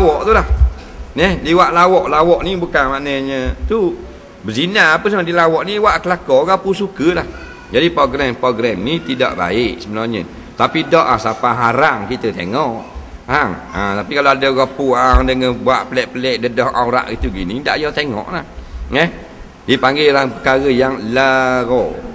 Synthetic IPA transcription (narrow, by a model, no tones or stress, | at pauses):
lawɔʔt̪ulah | nɛhdiwaʔlawɔʔlawɔʔnibukanmanəɲət̪u | bəsinaapəsəmadilawɔʔniwaʔkəlakɔɡapusukəlah | d͡ʒadipɾoɡɾɛmpɾoɡɾɛmnit̪ida̰ʔba̰ɪʔsəbənɔɲə̰ | t̪apidɔʔasapaɦaɾaŋkit̪ət̪ḛŋɔʔ | aŋət̪apikaloadəɣɔpuaŋdəŋənbuaʔpəlɛʔpəlɛʔdədɔhʔa̰uɾa̰ʔɡit̪uɡinida̰ʔjɔt̪eŋɔ̰ʔlahjəh | dipaŋɡelaŋpəkaɾəjaŋlaɣɔ